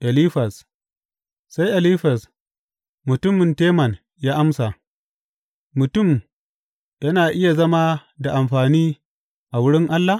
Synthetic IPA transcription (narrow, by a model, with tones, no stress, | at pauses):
ʔa˨liː˦ɸɐ˨s | sa˦jʔa˨liː˦ɸɐ˨s | mʊ˨tʊ˦mɪ˨nteː˦mɐ˨n | jaː˦ʔa˦msa˨ | mʊ˨tʊ˦˨m | jɐ˦naː˨ʔɪ˦ja˨zɐ˦ma˦da˨ʔa˨mɸaː˨niː˦ | ʔa˨wʊ˦ɽɪ˦ŋʔa˦lːa˨